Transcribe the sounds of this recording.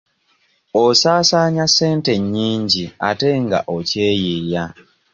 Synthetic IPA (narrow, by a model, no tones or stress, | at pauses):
osaːsaːɲase̞ːnte̞ɲːiːɲɟiate̞ŋɡa̰ʔoce̞ːjija